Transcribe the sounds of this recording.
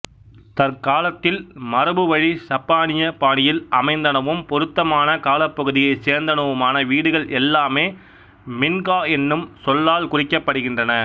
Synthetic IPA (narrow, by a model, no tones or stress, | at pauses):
t̪ɐɾkaːlɐt̪ːɪlmɐɾɐbɯʋɐɻisɐpːaːɳɪjɐpaːɳɪjɪlɐmɐɪnd̪ɐnɐʋɯmpɔɾɯt̪ːɐmaːnɐkaːlɐpːɐɣɯðɪjɐɪseːɾnd̪ɐnɐʋɯmaːnɐʋiːɽɯɣɐɭʔɛlːaːmeː | mɪnɡaːɛnːɯmsɔlːaːlkʊrɪkːɐpːɐɽɯɣɪndrɐnɐ